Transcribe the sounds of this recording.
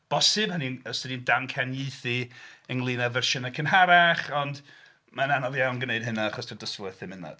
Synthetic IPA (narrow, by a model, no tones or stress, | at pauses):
b̥ɔsɨbhaninəstədindamkʰɛnjeɨθiəŋlˠiːnavɛrʃənakʰənɦaɾaχɔnd | mananɔvjawnɡənejɨd̥̚ɦɨnaaχɔstʰadəskluɛθɪmɪna̰d̥